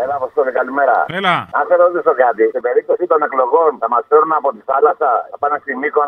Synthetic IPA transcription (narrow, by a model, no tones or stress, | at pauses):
elɐpost̪ot̪ikalimeɾɐ̰lɐɐθeɾoot̪isokɐt̪ist̪ibeɾip̚t̪osit̪o̞nekloɣo̞nθɐmɐsfeɾunapot̪iθalɐsɐɐpanest̪imikon